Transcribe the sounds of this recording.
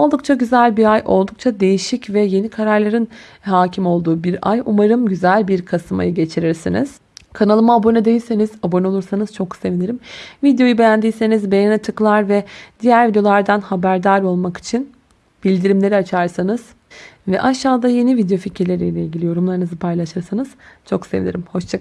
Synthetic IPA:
olˠd̪uk̚t͡ʃʰaɟyzælʲbiɾajʔo̞lˠd̪uk̚t͡ʃʰad̪e̞jiʃicvɛje̞nikʰaɾaɾlˠaɾɯn | ɦaːcʰimo̞lˠd̪uːbiɾa̰jumaɾɯmɟyzælʲbiɾkʰasɯma̰jɯɟe̞t͡ʃʰiɾiɾsinḭz̥ | kʰanalˠɯmaːbo̞nɛd̪e̞jilʲse̞niz̥abo̞nɛo̞lˠuɾsanɯz̥t͡ʃʰo̞kse̞viniɾimvid̪jo̞jube̞jænd̪ijse̞nizbejanɛt̪ʰɯklˠaɾvɛd̪̥ijæɾvid̪eo̞lˠaɾd̪anhabæɾd̪aɾo̞lˠmaki̥t͡ʃʰin | b̥ilʲd̪iɾimlʲe̞ɾiat͡ʃʰaɾsanɯz̥ | vɛʔaʃːaːd̪aje̞nivid̪ejo̞ficʰiɾlʲe̞ɾijlʲeilʲɟilʲijo̞ɾumlˠaɾɯnɯzɯpʰajlˠaʃɯɾsanɯz̥t͡ʃʰo̞ksevḭnḭɾimho̞ʃt͡ʃʰak

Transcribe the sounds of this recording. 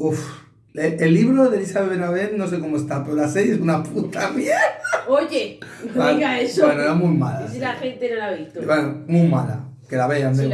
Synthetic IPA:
uf | eelːiβɾoðelisaβeβenaβelnosekomoest̪apeɾolasejssunaput̪amjeɾðaoʝeeɣaesenoeɾamujmalaslaxent̪enolaβet̪benomujmala̰kelaβeand̪e

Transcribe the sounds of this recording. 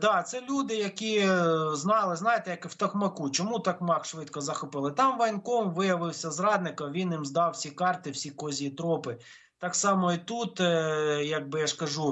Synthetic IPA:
d̪ɑt̪sɛlʲud̪ɪjɐkʲiznɑlˠɪznɑjet̪ɛjɐkwt̪ɐkmɐkut͡ʃɔmut̪ɐkmɑkʃʋɪt̪kɔzɐxʊpɪlˠɪt̪ɑmʋɐjnkɔmʋɪjɐʋɪwsʲɐzrɑd̪nɪkɐmʋʲinjimzd̪ɑwsʲikɑrt̪ɪwsʲikɔzʲit̪ɾɔpɪ | t̪ɑksɑmɔit̪ut̪jɐɡ̚bɪjaʃkɐʒu

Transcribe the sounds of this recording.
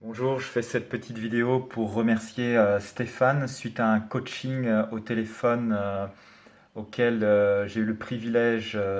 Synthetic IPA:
b̥ɔ̃ʒuːʁʒəfɛsɛt̪̚pət̪ʰit̪vid̪eopʰuʁːəmɛʁsjeøst̪efansɥit̪aɛ̃kot͡ʃiŋot̪elefɔnø | okʲɛløʒeyləpχivilɛʒ

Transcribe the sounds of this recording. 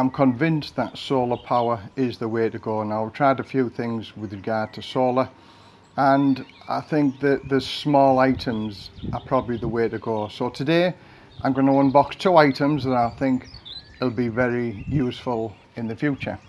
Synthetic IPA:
ãɪ̃mkʰə̃ɱvɪ̃nsðətsoːlˠəpʰaʊəɹɪzðəweːɾəɡoːnaʊwɪv̥tʰɹ̥aɪdəfjʉːθɪ̃ŋzwɪðɹɪɡaːd̚tʰəsoːlˠə | ə̃n | a̰ɪθɪ̃ŋk̚ðəʔðəsmɔːlaɪtʰə̃mzəpʰɹ̥ɒbəbliðəweːɾəɡoːsotʰədeː | ʔãɪ̃mɡʌnəwʌ̃nbɒkstʰuːaɪtə̃mzðəɾaɪθɪ̃ŋk | ɪl̩ˠbivɛɹijʉːˑsfəlˠ | ɪ̃nðəfjʉˑt͡ʃə̰

